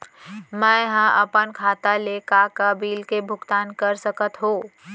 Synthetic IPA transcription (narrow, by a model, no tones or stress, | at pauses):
mə̃ɦə̃ʔəpənkʰaːt̪alekakəbiːlkebʱʊɡt̪aːnkəɾsəkət̪ɦõː